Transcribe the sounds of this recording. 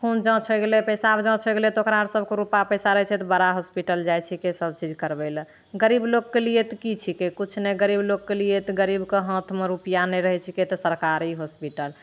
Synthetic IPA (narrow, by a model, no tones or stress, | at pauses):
kʰund͡ʒə̃t͡ʃʰəɡelepəsabd͡ʒə̃t͡ʃʰɔɡelet̪okɾaəɾsəbʱkeɾupapəsaɾəɦɛt͡ʃʰɛt̪ɔbəɾaɦospiʈəld͡ʒajt͡ʃʰikesəbt͡ʃid͡ʒkəɾbɛl | ɡəɾiblokːelijet̪kit͡ʃʰikekut͡ʃʰneɡəɾiblokːelijet̪ɡəɾibkeɦə̃t̪ʰmeɾupijanɛɾəɦɛt͡ʃʰiket̪ɔsəɾkaɾiɦospiʈəl